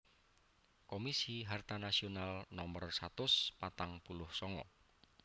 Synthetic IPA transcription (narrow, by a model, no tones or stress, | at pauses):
komisiɦart̪anasionalnɔmərsat̪ʊspat̪aŋpulʊhsɔŋɔ̰